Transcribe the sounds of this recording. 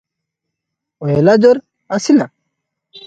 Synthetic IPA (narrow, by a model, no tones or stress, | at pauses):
oelad͡ʑoɾ | asina